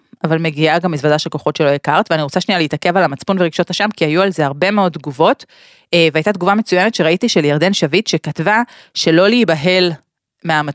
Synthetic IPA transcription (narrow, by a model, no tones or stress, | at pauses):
avalme̞ɡiaɡamːizvad̪aʃelko̞χo̞tʃe̞lo̞jikaʁt̪veaniʁot͡saʃnialeit̪akevalamat͡spunveʁiɡʃothaʃamkiajualze̞aʁbe̞meo̞d̪̚t̪ɡuvo̞t̪ː | veajtat̪ɡuvame̞t͡sujenetʃeʁaitiʃeljaʁd̪e̞nʃavitʃe̞katva | ʃe̞lo̞liːbaɦe̞l | meama